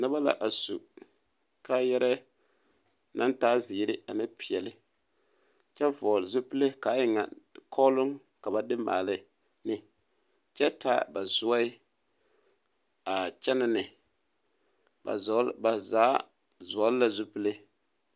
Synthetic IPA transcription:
nɨ˦ba˦la̰˨ʔa˨su˨ | kaː˦jɛ˦ɾɛ˦ | na˦ntaː˦zɪ˨˦ɾɪ˦a˨nɪ˦pi˨ɛ˨lɪ˦ | t͡ʃɛ˦vɔː˨lzu˦pɨ˦le˦kaː˨˦jɪ˨ŋa̰˨kʰɔ˦lʊ˦ŋ | ka˨ba˨dɪ˦ma̰ː˨lɪ˦ | nɪ˦ | t͡ʃɛ˦tʰaː˦ba˨zʊ˦a˦ɪ˦ | a˨t͡ʃɛ˦nɪ˦nɪ˨ | ba˨˦ba˨zaː˨˦ | zʊ˨ɔ˦lla˨zu˦pɨ˦le˦

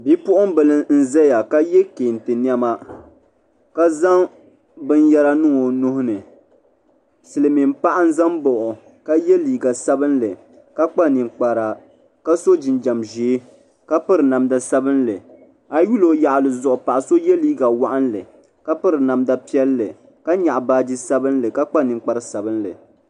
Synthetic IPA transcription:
bi˦pʊ˦ʔʊ˦m˦bɨ˨lɨ˦n̩˦zɛ˦ja˨ka˦jɛ˦ke˨n˨tɨ˨ni˦ɛ˦ma˦ | ka˦za˦ŋ | bɨ˦njɛ˦la˦nɨ˦ŋo˨nʊ˦hʊ˦nɨ˨ | sɨ˨lɨ˨mi˨m˦pa˦ʔa˦n˦za˦mbɔ˨ʔʊ˨ | ka˦jɛ˦liː˨ɡa˨sa˦bɨ˦nlɨ˨ | ka˦k͡pa˦ni˨ŋk͡pa˨ɾa˨ | ka˦so˦d͡ʒɪ˨nd͡ʒa˨mʒe˨˦ | ka˦pɨ˦ɾɨ˨na˨mda˦sa˦bɨ˦nlɨ˨ | a˨ju˦lo˨ja˨ʔlɨ˨zʊ˨ʔʊ˨pa˨ʔa˨so˦jɛ˦liː˦ɡa˨wa˦ʔa˦nlɨ˨ | ka˦pɨ˦ɾɨ˨na˨mda˦pi˦ɛ˦lːɨ˨ | ka˦ɲa˨ʔbaː˦di˦sa˦bɨ˦nlɨ˨ka˦k͡pa˦nɨ˨ŋk͡pa˨ɾɨ˨sa˨bɨ˦nlɨ̰˨

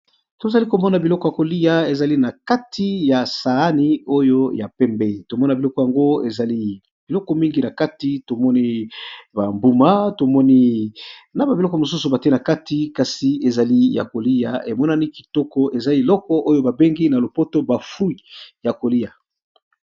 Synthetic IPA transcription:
to˨za˨li˦ko˨mɔ˦na˨bi˨lɔ˦kɔ˨ja˨ko˨li˦ja˨e˨za˨li˦na˨ka˦tʰi˦ja˨sa˨a˦ni˦o˦jo˦ja˨pɛ˦mbɛ˦˨to˨mɔ˦na˨bi˨lɔ˦kɔ˨ja˨ŋɡo˦e˨za˨li˦ | b̥i˨lɔ˦kɔ˦mi˦ŋɡi˨na˨ka˦ti˦to˨mɔ˦ni˦ba˨mbu˨ma˦to˨mɔ˦ni˦ | na˨ba˨i˨lɔ˦kɔ˨mo˨su˦su˨ba˨te˦na˨ka˦ti˨˦ka˨si˨e˨za˨li˦ja̰˨ko˨li˦ja̰˨e˨mɔ˦na˦ni˦ki̥˨tɔ˦kɔ˦e˨za˦e˨lɔ˦kɔ˦ʔo˦jo˦ba˨be˦ŋɡi˦na˨lo˨po˦to˦ba˨fu˦i˨ja˨ko˨li˦ja˨

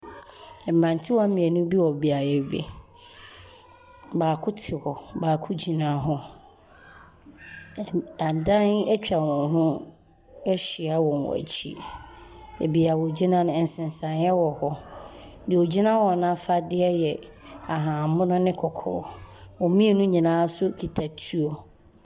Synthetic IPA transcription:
ɛ˨m̩ɾã˨ntʰɪ˦wɔ˦a˦mĩ˨ɛ˨nʊ̃˦bi˦wɔ˨bi˨a˨jɛ˦˨bḛ˨ | baː˨kʰʊ˦tʰɪ˨hɔ˨baː˨kʰʊ˦d͡ʑi˨nã˦ɦɔ˦ | a˨n˨dã˦nɛ˦t͡ɕᶣa˨wɔ̃˨nɦʊ̃˦ | ɛ˦ɕi˨a˦wɔ̃˨nwɔ̰˨æ̰˨t͡ɕʰḭ˦ | ḛ˨bi˨a˨wɔ˨d͡ʑi˦nã˦nʊ̃˨ɛ˨n̩˨sɪ̃˨n˨sã˨n˦ɛ˦wɔ˨hɔ˦ | dɪ˨o˨d͡ʑi˦nã˦wɔ˨nã˦fa˦dɪ˦ɛ˦jɛ˨ | a˨ɦã˨mʊ̃˦nʊ̃˦nɪ̃˦kʰɔ˨kʰɔ̰ː˦wɔ̃˨mĩ˦e˦nũ˦ɲĩ˨nãː˦sʊ˦kʰi˨tʰa˨tʰu˦o˨

